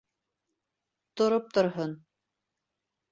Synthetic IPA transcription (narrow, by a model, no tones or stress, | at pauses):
t̪ŏɾop̚t̪ŏɾɦon